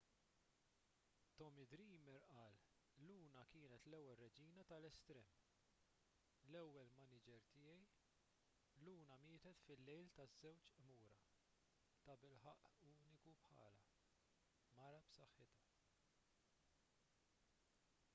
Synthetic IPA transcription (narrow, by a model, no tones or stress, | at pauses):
t̪ɔmid̪ɾiːmɛɾʔɐːl | luːnɐkɪːnɛt̪lɛwːɛlːɛd͡ʒiːnɐt̪ɐlɛst̪ɾɛːm | lɛwːɛlmɐnɪd͡ʒɛɾt̪ɪːjɛj | luːnɐmɪːt̪ɛt̪fɪlːɛjlt̪ɐzːɛwt͡ʃʔmuːɾɐ | t̪ɐbɪlħɐʔuːnɪkupħɐ̰ːlɐ | mɐɾɐpsɐħːɪt̪ɐ